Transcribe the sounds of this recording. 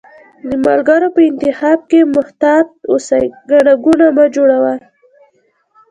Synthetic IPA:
d̪əma̰lɡaɾopəɪnt̪ɪxɑb̚kemʊht̪ɑd̪̚osajɡaɽaɡunamad͡ʒoɽawa

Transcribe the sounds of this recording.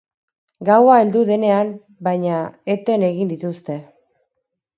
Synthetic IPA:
ɡawae̞ld̪uðe̞ne̞am | bajɲae̞t̪e̞ne̞ɣind̪it̪ust̪e̞

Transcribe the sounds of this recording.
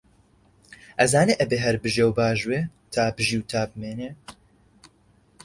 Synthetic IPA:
ʔɐzaːneːʔɐbeːɦɐɾbɨʒewbaːʒweːt̪ʰaːbɨʒiwt̪ʰaːbɨmeːneː

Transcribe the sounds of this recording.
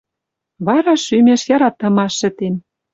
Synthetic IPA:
βɑɾɑʃymʲeʃjɑɾɑt̪ːɤ̆mɑʃːɘ̆t̪en

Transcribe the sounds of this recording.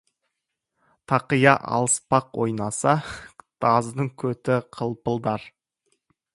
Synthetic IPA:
t̪ʰɑqəjɑʔɑ̰lˠəspɑqwo̞̰jnɑsɑd̪̥ɑzd̪əɴkʲʰɵt̪ɪqʰəlˠpəlˠd̪ɑɾ

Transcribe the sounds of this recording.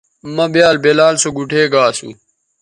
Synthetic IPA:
mɐbjaːlbelaːlsoɡuʈʰeːɡaːsṵ

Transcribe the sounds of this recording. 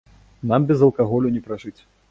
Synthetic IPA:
nambʲɛzɐlˠkaɣɔlʲunʲɛpɾaʐɨt͡sʲ

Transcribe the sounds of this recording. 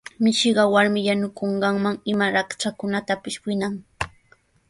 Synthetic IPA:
mɪʃɪɢɑwaɾmɪjanʊkoɴɢɑŋmaŋɪmaɾakt͡ʃakʊnat̪apɪswɪnaŋ

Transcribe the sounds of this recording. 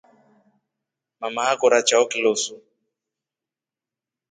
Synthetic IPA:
mamaakɔɾat͡ʃaɔkilosu

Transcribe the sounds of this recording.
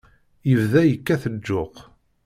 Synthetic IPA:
jəvðæjəkːæθəd͡ʒːʊq

